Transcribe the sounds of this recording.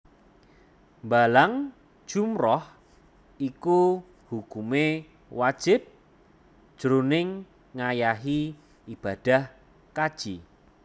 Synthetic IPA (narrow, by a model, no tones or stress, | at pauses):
mbalaŋ̥ | ʒ̥umrɔh | iku | hukume | wad̥ʒ̥ɪp̚ | d̥ʒ̥ɾunɪŋː | ajaɦi | ib̥a̤d̥a̤h | kad̥ʒ̥i